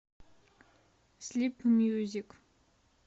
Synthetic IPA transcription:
slipmjuzik

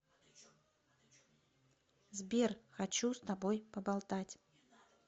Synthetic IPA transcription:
zbʲerxat͡ɕust̪abojpɐbalˠt̪atʲ

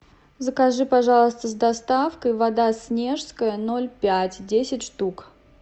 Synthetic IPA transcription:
zəkɐʐɨpɐʐɑlˠəst̪əzd̪ɐst̪afkəjvɐd̪asʲnʲe̞ʐskəjəno̞lʲpʲætʲdʲesʲɪtʲʂt̪uk

